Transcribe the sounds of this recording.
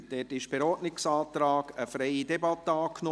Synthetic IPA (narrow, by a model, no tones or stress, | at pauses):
d̥ɛtɪʃb̥ɛɾɔːtnɪksaːt̪ɾɑːɡəfɾɛɪidɛbɑt̪ːəɑːkʰno